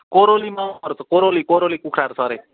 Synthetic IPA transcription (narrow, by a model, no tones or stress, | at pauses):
koɾolimaʌɾtʌkoɾolikoɾolikukʰɾaɾt͡sʰʌɾe